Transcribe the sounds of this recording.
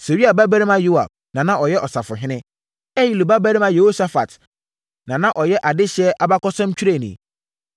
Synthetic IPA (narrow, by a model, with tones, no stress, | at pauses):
se˨wi˦a˨bæ˦bæ˦ɾi˦mã˦ju˦a̰˨b̚nã˨nã˦ʔɔ˨jɛ˦ʔɔ˨sa˨fʊ˨ɦɪ̃˦nɪ̃˦ | ɛ˦ji˨lu˨ba˦bæ˦ɾi˦mã˦je˨ho˦sa˦fa̰˨t | nã˨nã˦ʔɔ˨jɛ˦ʔa˨dɪ˦ɕɛ˦ʔa˨ba˦kɔ˦sã˦mt͡ɕʰᶣi˦ɾe˨nḭ̃˨